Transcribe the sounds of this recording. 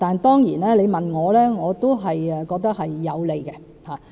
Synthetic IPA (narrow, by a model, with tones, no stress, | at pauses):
t̪aː˨nt̪ɔː˥ŋjiː˨˩nɛː˥le˨˧jmɐ˨nŋɔː˨˧lɛː˥ŋɔː˨˧t̪o˥wɦɐ˨jɛ˨kɔː˧k̚t̪ɐ˥k̚hɐ˨jːɐ˨˧wle˨˧jkɛ˧ | haː˨